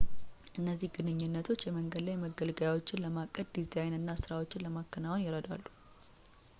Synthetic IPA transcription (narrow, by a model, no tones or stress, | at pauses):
ʔɨnːəzːihɡɨnɨɲːɪnːət̪ʰo̞t͡ʃːjɛməŋɡəd̪lajməɡəlɡəjawo̞t͡ʃːɪnləmakʼːəd̪̚d̪izajnɨnːasɨɾawo̞t͡ʃːɪnləmakːənawonjɛɾəd̪a̰lːu